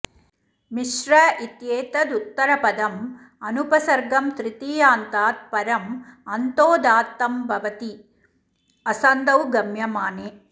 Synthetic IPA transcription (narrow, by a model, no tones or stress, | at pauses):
miʂɾɐit̪jeːt̪ɐd̪ut̪ːɐɾɐpɐd̪ɐm | ɐnupɐsɐɾɡɐmt̪ɾɪt̪iːjaːnt̪aːt̪̚pɐɾɐmɐnt̪oːd̪aːt̪ːɐmbʱɐʋɐt̪i | ɐsɐnd̪ɐwɡɐmjɐmaːneː